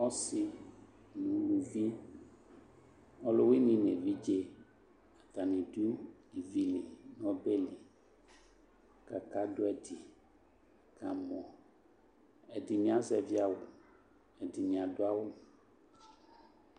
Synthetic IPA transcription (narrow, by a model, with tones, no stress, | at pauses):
ɔ˦si˨ | nũ˨lũ˨vi˦ | ɔ˦lo˦wi˦nĩ˨ne˨vi˦d͡ʒe˦ | a˨t̪a˨nĩ˨du˦i˨vi˦li˨n˦ɔ̃˦be˦li˨ | ka˨ka˦do˦ɛ˨di˨ | ka˨mɔ̃˨ | ɛ˨di˨ɲ˦ã˦zɛ˨vi˦a˦wo˨ | ɛ˨di˨ɲ˨ã˨do˦a˦wo˦